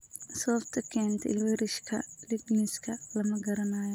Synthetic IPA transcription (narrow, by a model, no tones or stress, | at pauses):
sɔːft̪ʰɐkʰɛːnt̪ʰɪ̰lwɪɾɪʃkʰɐlɪɡnɪskʰɐlɐmɐɡɐɾɐnaːjɔ